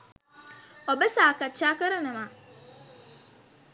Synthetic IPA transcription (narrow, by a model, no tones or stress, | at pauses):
obesaːkɐt͡ʃːaːkɐɾɐnɐma